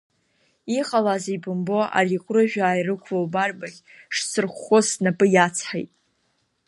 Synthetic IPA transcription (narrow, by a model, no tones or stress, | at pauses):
iχʼalazibɨmboa̰rikʷʼrɨʒᶣaːjrɨkʷʰvowbarbaχʲ | ʂsɨrχʷːosnapʼɨjat͡sʰħejtʼ